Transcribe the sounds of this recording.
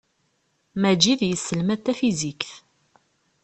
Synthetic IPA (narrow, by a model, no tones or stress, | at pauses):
mæd͡ʒiðjəsːəlmæt̪ːæfizikθ